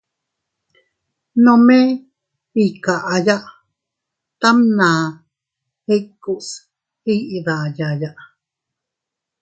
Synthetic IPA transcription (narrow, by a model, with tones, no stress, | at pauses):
nõme˦ | hi˨ka˨ʔaja˦ʔ | t̪a˦mna˨ | he˦kːu˨ʔs | iʔða˨jajaʔ